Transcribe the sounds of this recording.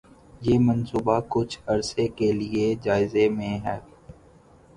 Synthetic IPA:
jeːmɐnsuːbakʊt͡ʃʰɐɾsekelied͡ʒaːɪzemẽɦɛː

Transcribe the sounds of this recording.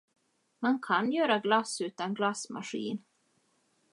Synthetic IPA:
mankʰanjœːɾaɡlasʉ̟ːt̪anɡlasma̰ɧḭːn

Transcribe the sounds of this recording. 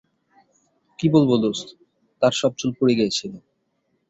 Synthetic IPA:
kibolbolos | t̪aɾʃɔb̚t͡ɕulpoɾeɡɛet͡ɕʰile

